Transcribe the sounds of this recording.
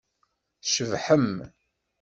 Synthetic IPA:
θʃəvħəm

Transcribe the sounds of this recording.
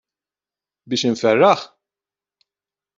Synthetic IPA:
bɪːʃɪɱfɛrːɐħ

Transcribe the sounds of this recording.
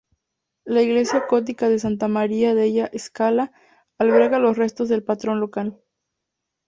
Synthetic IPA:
laiɣle̞sjakot̪̬ikað̞e̞s̬ant̪amaɾiaðeʝaʔeskalaː | lβe̞ɾɣalo̞sre̞st̪o̞zðe̞lpat̪ɾo̞nlo̞kal

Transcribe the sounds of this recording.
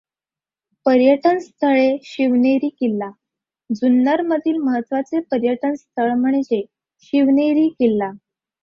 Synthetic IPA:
pəɾjəʈənst̪ʰəɭeɕiʋneɾiːkilːa | d͡zunːəɾməd̪ʱiːlməɦət̪ːʋat͡sepəɾjəʈənst̪ʰəɭm̤əɳ̃d͡ʑe | ɕiʋneɾiːkelːa

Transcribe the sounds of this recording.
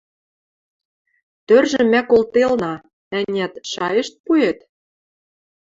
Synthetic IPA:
t̪ørʒɘ̆mækolt̪elnɑ | ænʲæt̪ʃɑjɤ̆ʃt̪̚puet̪

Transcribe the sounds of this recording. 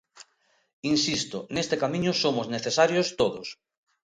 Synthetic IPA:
insist̪ʊnest̪ekamĩɲʊsomʊzneθesaɾjost̪oðʊs

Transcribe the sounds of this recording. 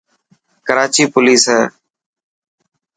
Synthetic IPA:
kəɾaːt͡ʃiːpʊliːsɦɛː

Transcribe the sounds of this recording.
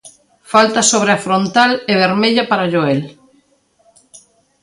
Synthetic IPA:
falt̪asoβ̞ɾeafɾont̪aleβ̞eɾmeʎapaɾaʎoel

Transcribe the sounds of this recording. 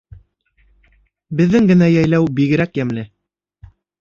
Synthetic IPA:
bɘ̆ðːɘŋɡɘ̆næjæjlæwbiɣɘ̆ɾækjæmlɘ

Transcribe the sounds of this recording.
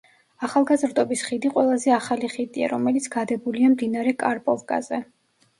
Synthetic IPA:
aχalˠɡazɾd̪ɔbisχid̪iqʼwɛlˠazɛaχaliχid̪ia̰ɾɔmɛlit̪sʰɡ̥ad̪ɛbuliamd̪inaɾɛkʼaɾpʼɔlkʼa̰zɛ

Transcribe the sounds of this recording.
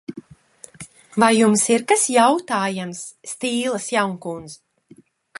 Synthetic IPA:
vajːumsiɾkasjawt̪aːjamsːt̪iːlˠasjawŋkuns

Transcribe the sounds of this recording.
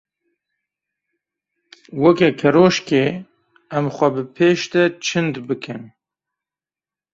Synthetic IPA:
wɛkɛkʰɛɾoʃke | æmxʷɛbɨpʰeːʃt̪ɛt͡ʃʰɨnd̪bɨkʰɨn

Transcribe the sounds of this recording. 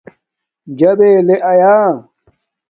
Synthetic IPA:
d͡ʑɐbeːleʔɐjaː

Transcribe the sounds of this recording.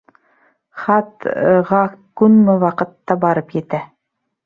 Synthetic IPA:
χɑt̪ʁɑkʉnmɘwɑqɤ̆t̪ːɑbɑɾɤpjɘ̆t̪æ

